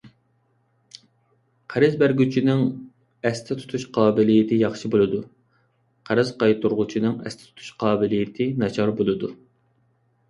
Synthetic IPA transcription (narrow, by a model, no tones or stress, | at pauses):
qʰæɾɪzbæɾɡʲyt͡ʃʰinɪŋ | ɛst̪ʰɪt̪ʰu̥t̪ʰuʃqʰɑːbɪlijɪt̪ʰɪjɑχʃibolˠɨd̪u | qʰæɾɪzqɑjt̪ʰuɾʁʊt͡ʃʰinɨŋɛ̰st̪ʰɪ̥t̪ʰu̥t̪ʰu̥ʃqʰɑːbɪlɪjɪt̪ʰɪnɑt͡ʃʰɑɾbolˠɨd̪u